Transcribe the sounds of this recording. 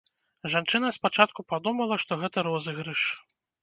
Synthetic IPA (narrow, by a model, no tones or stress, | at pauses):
ʐant͡ʂɨnɐspat͡ʂat̪̚kupad̪umɐlˠɐʂt̪ɔɣɛt̪ɐɾɔzɨɣɾɨʂ